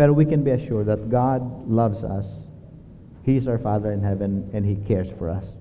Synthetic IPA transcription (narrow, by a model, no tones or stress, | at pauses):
bɛɾə˞wikɛ̃nbiɨʃʊɹd̪̚ðət̪̚ɡɑd̪̚lʌvsʌ̰s | hiɪsawə˞faðəɹɨ̃nɦɛvɛ̃nɛ̃nhikʰɛɹsfɔɹʌ̰s